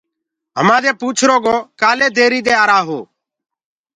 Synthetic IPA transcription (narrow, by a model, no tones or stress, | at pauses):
ɦəmãːd̪eːpuːt͡ʃʰɾoːɡoːkaːleːd̪ʱeːɾiːd̪eːaːɾaːɦoː